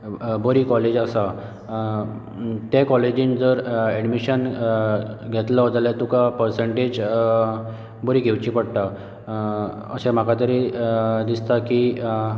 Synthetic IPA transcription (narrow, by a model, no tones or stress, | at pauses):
bəɾiːkɔled͡ʑəsa | t̪akɔled͡ʑind͡zəɾɛɖmiɕən | ɡʱet̪lɔd͡zaljat̪ukapəɾseɳʈed͡ʑ | bəɾiːɡʱewt͡ɕipəɽʈ̪a | ə̰sɛ̃m̤akat̪əɾed̪ist̪aki